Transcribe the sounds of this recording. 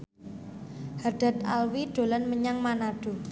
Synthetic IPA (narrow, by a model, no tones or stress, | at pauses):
harɖ̥a̤t̪̚a̰lwiɖ̪̥o̤lanməɲaŋmanaɖ̥o̤